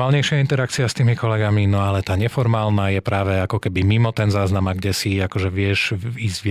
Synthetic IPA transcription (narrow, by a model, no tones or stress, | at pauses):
aːlɲɛjʃɪaint̪ɛɾakt͡siast̪iːmikɔlɛɡaminɔalɛt̪aːɲɛfɔɾmaːlnajɛpɾaːʋɛakɔkɛbimimɔt̪ɛnzaːznamaɡɟɛsiakɔʒɛʋɪɛʒiːzʋ